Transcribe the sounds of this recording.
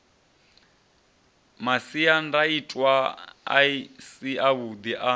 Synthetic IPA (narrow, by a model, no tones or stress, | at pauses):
masiandaitʼwaa̰isiʔaβud̪iʔa